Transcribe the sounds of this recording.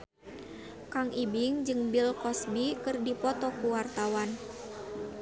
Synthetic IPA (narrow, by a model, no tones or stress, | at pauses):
kaŋʔibiŋd͡ʒɨŋbilkɔsbikɨrdipɔt̪ɔkuwart̪awan